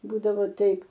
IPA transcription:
ˈbuːdɐʋoː ˈtɐɪp

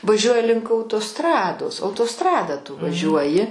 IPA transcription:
ʋɐˈʒʲuɔjɪ lʲɪŋk ɐʊtoːˈstrɑːdoːs ɐʊtoːˈstrɑːdɐ tʊ ʋɐˈʒʲuɔjɪ

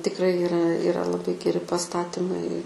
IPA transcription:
tʲɪkˈrɐɪ ɪˈrɐ ɪˈrɐ lˠɐˈbɐɪ ɡʲɛˈrʲɪ pɐˈstɑːtʲɪmɐɪ

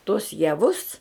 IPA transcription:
tuɔs jɛˈʋʊs

